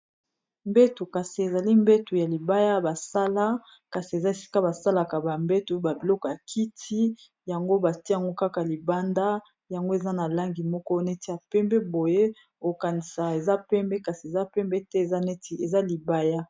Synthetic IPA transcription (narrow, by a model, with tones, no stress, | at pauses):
mbɛ˦tu˨ka˨si˨e˨za˨li˦mbe˦tu˨ja˨li˨ba˦ja˦ba˨sa˦la˦ | ka˨si˨e˨za˦e˨si̥˦ka˦ba˨sa˦la˨ka˨ba˨mbɛ˦tu˨˦ba˨bi˨lɔ˦kɔ˨ja˨kʰi˦tʰi˦ | ja˨ŋɡo˦ba˨tja˨ŋɡo˦ka˦ka˨li˨ba˦nda˦ | ja˨ŋɡo˦e˨za˦na˨la˦ŋɡi˨mɔ˦kɔ˦nɛ˦ti˦ja˨pɛ˦mbɛ˦bo˨je˦ | o˨ka˨ni˨sa˨e˨za˦pɛ˦mbɛ˦ka˨si˨e˨za˦pɛ˦mbɛ˦tɛ˦e˨za˦nɛ˦ti˨e˨za˦li˨ba˦ja˦